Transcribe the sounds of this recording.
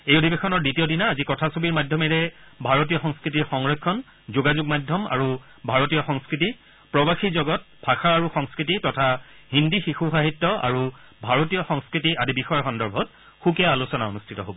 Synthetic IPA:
ejodʱibexɔnɔɹditijɔdinaːzikɔtʰasobiɹmadʱjɔmɛɹɛbʱaɹotijɔxɔŋskɹitiɹxɔŋɹɔjkʰːɔn | zoɡazuɡmadʱjɔma̰ɹu | bʱaɹotijɔxɔŋskɹiti | pɹɔbaxizɔɡɔt̚bʱaxaaɹuxɔŋskɹititɔtʰaɦindixixuxaɦitːɔa̰ɹu | bʱaɹotijɔxɔŋskɹitiadibixɔjɔxɔndɔɹbʱɔt | xukiaalusɔnao̰nustʰitɔɦobɔ

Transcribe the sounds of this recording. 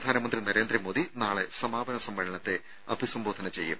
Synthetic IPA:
d̪ʱaːnɐmɐnd̪rinɐɾeːnd̪ɾimoːd̪inaːɭesɐmaːbɐnɐsɐmʋɐɻɐɳɐt̪ːe̞ | ɐ̰bʱisɐmboːd̪ʱɐnɐt͡ɕejːṵm

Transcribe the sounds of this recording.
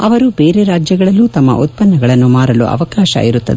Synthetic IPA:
ɐ̰ʋɐɾubeːɾeɾaːd͡ʒjɐɡɐɭɐlːuːt̪ɐmːɐ̰ʔut̪̚pɐnːɐɡɐɭɐnːumaːɾɐlṵʔɐ̰ʋɐkaːʃɐ̰ʔiɾut̪ːɐ̰d̪e

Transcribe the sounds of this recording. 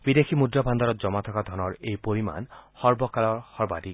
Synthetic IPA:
bid̪ekʰimudɾabʱand̪ɔɾɔt̪d͡ʒɔmat̪ʰɔkad̪ʱɔnɔɹejpoɾima̰nhɔɹbɔkalɔɹhɔɹbadi

